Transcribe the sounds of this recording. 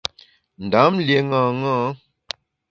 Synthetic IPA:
n̩˨da˨˦mlje˨ŋãː˨ŋãː˦

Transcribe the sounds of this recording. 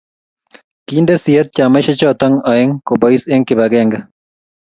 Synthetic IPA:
kindesiɛt̪̚t͡ʃa˨ma˦ʃɔ˦t͡ʃɔt̪ɔ˦ŋɔ˨ɛ˦ŋko˨bɔ˨ise˦ŋkɪ˨ba˨ɡɛŋɡa

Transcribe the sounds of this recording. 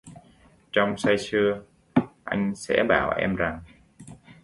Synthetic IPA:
t͡ɕɔ˧wŋ͡msa˧jsɨ˧ə | ʔa˧jŋ̟sɛ̰˧˥ɓaː˧˩wʔɛ̰˧mza˨˩ŋ

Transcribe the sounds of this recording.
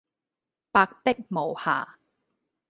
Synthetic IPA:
paː˧k̚pɪ˥k̚mo˨wha̰ː˨˩

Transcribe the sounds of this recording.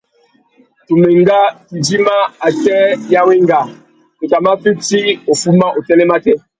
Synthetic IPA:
tu˨mɛ˨ŋɡa˦ki˨di˦ma˦a˨tɛ˦ja˦we˦ŋɡa˨ | o˨ta˨ma˦fi˦ti˦o˨fu˦ma˦ʔo˨tɛ˦lɛ˦ma˦tɛ˦

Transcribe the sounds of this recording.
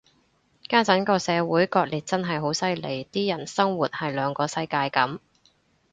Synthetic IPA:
kaː˥t͡sɐ˨˥nkɔː˧sɛː˨˧wuː˨˥jkɔː˧t̚liː˨˩t̚t͡sɐ˥nɦɐ˨jɦo˨˥wsɐ˥jle˨˩jt̪iː˥jɐ˨˩nsɐ˥ŋwuː˨t̚hɐ˨jlœː˨˧ŋkɔː˧sɐ˧jkaː˧jkɐ˨˥m

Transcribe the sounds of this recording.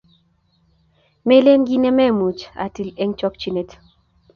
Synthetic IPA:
me˦le˦ŋɡi˦ne˦mɛ˦mu˨t͡ʃa̰˨ti˨le˦ŋt͡ʃɔ˦k̚t͡ʃi˦ne˨t

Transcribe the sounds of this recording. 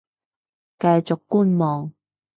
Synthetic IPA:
kɐ˧jt͡sʊ˨kːuː˥nmɔː˨˩ŋ

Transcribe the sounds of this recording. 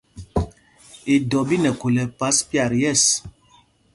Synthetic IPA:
i˨dɔ˨bi˦nɛ˨ku˨lɛ˨pa˨˦spi˦a˨ɾjɛ˦˨s

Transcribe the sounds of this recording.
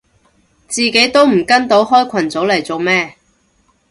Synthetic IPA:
t͡siː˨ke˨˥jt̪o˥wm̩˨˩kɐ˥nt̪o˨˥wɦɔː˥jkʷʰɐ˨˩nt͡so˨˥wlɐ˨˩jt͡so˨˧wmɛː˥

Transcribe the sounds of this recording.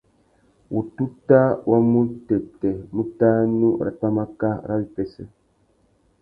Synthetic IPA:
wu˨tu˦ta˦wʔa˦mu˦tɛ˨tɛ˨mu˦taː˦nu˦ɾa̰˨pa˦ma˦ka˦˨ɾa˦bi˦pɛ˨sə˦

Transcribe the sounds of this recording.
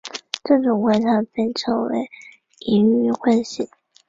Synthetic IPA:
ʈ͡ʂɤ˥˩ʈ͡ʂʊ˨˩ŋxwa˧˥nʈ͡ʂʰa˧˥pe˥˩ɪʈ͡ʂʰɤ˧˥ŋwḛ˧˥ɪ | i˧˥ny˥˩xwa˥˧nɕi˥˩˦

